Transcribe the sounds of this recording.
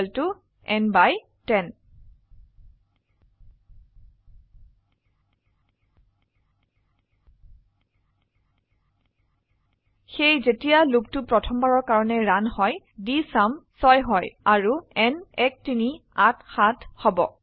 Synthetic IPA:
ltʊ | ɛnbaj | tɛn | xejzetijaluk̚tʊpɹɔtʰɔmbaɹɔɹkaɹɔnɛɹanhɔj | disamsɔjɦɔjaɹuɛnɛk̚tiniatxathɔbɔ̰

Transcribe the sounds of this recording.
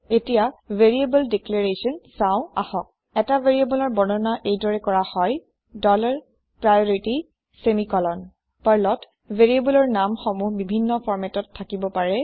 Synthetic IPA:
etijaveɹiebɔldekleɹesɔnsaʊ̃ahɔk̚ | ɛtaveɹiebɔlɔɹbɔnɔnaʔejdɔɹɛkɔɹahɔj | dɔlaɹ | pɹajɔɹiti | semikɔlɔn | paɹlɔt | veɹiebɔlɔɹnamxɔmubibʱinːɔpʰɔɹmɛtɔtʰːakibɔpaɹɛ

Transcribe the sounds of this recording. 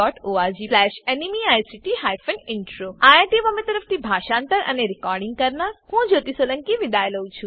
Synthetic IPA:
ɔːʈʰoaɾd͡ʒiplɛʃenimiajsiʈiɦajfʰənɪɳʈɾoajaʈiʋəmẽt̪əɾəft̪ibʱaːʃãːnt̪əɾʔɐ̰neɾɪkɔːɾɖĩŋɡ̚kəɾnahũd͡ʒoːt̪isolə̃ŋkiʋɪd̪ajləwt͡ʃʰũ

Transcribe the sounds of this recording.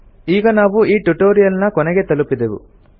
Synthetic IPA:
iːɡɐnaːʋuiːʈuʈoːɾijɐlnɐkɔnɛɡe̞t̪ɐlupːid̪eʋṵ

